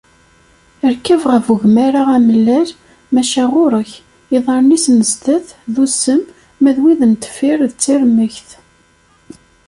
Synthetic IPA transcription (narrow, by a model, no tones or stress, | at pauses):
əɾkːævʁəvuʝmæɾaʁæməlːæl | mæʃæʁʊɾˤəç | iðˤɑɾˤnisməzt̪æθðusəmː | æðwiðənt̪ə̥fiɾðt͡sːiɾməçθ